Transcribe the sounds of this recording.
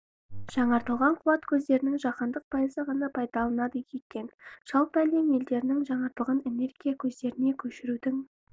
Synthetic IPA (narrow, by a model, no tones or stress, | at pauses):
ʒ̥ɑɴɑɾt̪əlˠʁɑɴqʰuɑt̪kʲʰɵzd̪e̞ɾɪnɪŋʒɑqɑnd̪əq̚pʰɑjəzəʁɑnɑpʰɑjd̪ɑlˠənɑd̪əjʲekʲe̞nʃɑlˠpæleme̞ld̪e̞ɾɪnɪŋʒɑɴɑɾt̪əlˠʁɑnene̞ɾɡʲijakʲʰɵzd̪e̞ɾɪne̞kʲʰɵʃɪɾud̪ɪŋ